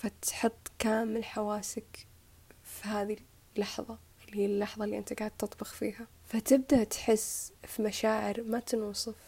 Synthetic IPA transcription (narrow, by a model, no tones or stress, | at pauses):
fat̪ħɨt̪ˤːkaːmɪlħawaːsɪk | fihaːði | lːɑħðˤɑ | liːlːɑħðˤɑlːiʔɪnt̪aɡaːʕd̪t̪ːɨt̪ˤbɪxfiːha | fat̪ɪb̚d̪aʔt̪ħɪsːfimaʃaːʕɪɾmat̪ɪnuːsˤɨf